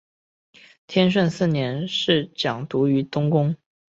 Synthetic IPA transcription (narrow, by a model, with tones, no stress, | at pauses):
t̪ʰjɛ˥nʂ̬ə˥˧nsɹ̩˥˩njɛ˧˥nʂɻ̩˥˩t͡ɕjɑ˨˩ŋt̪u˧˥y˧˥t̪ʊ˥ŋkʊ˥ŋ